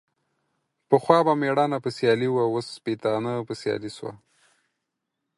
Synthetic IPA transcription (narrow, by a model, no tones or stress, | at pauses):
pəxwɑbameɽɑnapəsjɑliwawosːpet̪ɑnəpəsjɑ̰liswa̰